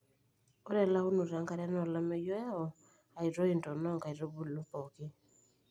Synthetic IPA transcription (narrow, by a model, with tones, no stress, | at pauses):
o˦ɾɛ˨la˦u˦nu˨ɾa˨˦ŋka˦ɾa˦nɔ˦˨la˦mɛ˦jɔ˦a˦ɔ˨ | a˨i˨ɾo˦i˨ntɔ˨nɔ˦˨ŋka˨i˨ɾo˦bu˦˨lu˦pɔ˨ki˦